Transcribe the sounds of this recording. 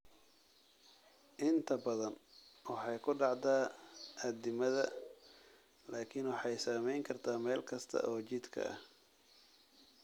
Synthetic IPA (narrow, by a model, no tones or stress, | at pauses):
ʔɪnt̪ʰɐbɐðɐnwɑħɑjkʰʊɖɑʕd̪aːʔɐd̪ɪmɐðɐ | laːkʰɪnwɑħɑjsaːmɛjŋkʰɐrt̪ʰaːmɛːlkʰɐst̪ʰɐ̰ʔɔːt͡ʃɪd̪kʰɐ̰ɐ̰h